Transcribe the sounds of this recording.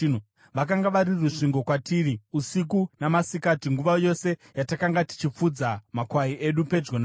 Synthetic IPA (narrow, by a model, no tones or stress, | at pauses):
u | ʋak̬aŋɡaʋaɾiruʂiŋɡo̞kwatiːriusik̬unamasikatiŋɡuʋajo̞se̞jatakaŋɡati̥t͡ʃip͡fud͡zamakwaiʔe̞ɗupe̞d͡ʒɡona